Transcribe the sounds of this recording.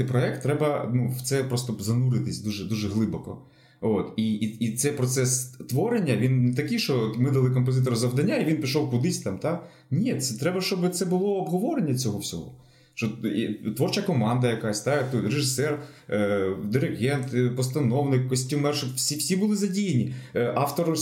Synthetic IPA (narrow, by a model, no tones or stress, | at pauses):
ɪpɾɔɛk̚t̪ːɾɛbɐnuwt̪sɛpɾɔst̪ɔzɐnuɾɪt̪ɪsʲd̪uʒɛd̪uʒɛɦlˠɪbɔkɔ̰ | ot̪iit̪sɛjpɾɔt̪sɛst̪ʋɔɾenʲːɐʋʲint̪ɐkɪjʃt͡ʃɔt̪mɪd̪ɐlˠɪk̬ɔmp̬ɔzɪt̪̬ɔɾʊzɐʋd̪ɐnʲːaiʋʲinpʲiʃɔwkʊd̪ɪsʲt̪ɑmt̪ɑ | nʲisɛt̪ɾɛbɐʃt͡ʃɔbɪt̪sɛbʊlˠɔːbɦɔʋɔɾenʲːɐt͡sʲɔɦɔwsʲɔ̰ɦɔ̰ | ʃt͡ʃɔt̪ʋɔrt͡ʃɐkɔmɑnd̪ɐjɐkasʲt̪at̪ureʒɪsɛr | d̪ɪɾɪɣɛnt̪pɔst̪ɐnɔwnɪkːɔsʲt̪ʲimɛrʃɪfsʲiwsʲibʊlˠɪzɐdʲijenʲiʔɑft̪ɔɾ